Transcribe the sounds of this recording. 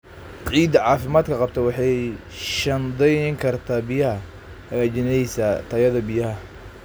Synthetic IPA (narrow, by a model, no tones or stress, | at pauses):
ʕiːd̪ɐʕɑːfɪmaːd̪kʰɐqɑb̚t̪ʰɐwɑħɑj | ʃɐnd̪ɛŋkʰɐrt̪ʰaːbɪjɐɦɐ | hɐɣat͡ʃɪnɛjsɐt̪ʰɐjɐðɐbɪjɐɦɐ